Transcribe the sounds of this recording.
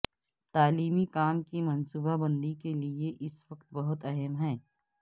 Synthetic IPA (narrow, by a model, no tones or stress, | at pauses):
t̪aːliːmikaːmkimɐnsuːbabɐ̃nd̪ikelieʔɪsʋɐqt̪̚bɐɦʊt̪ɐɦɛmɦɛ̃ː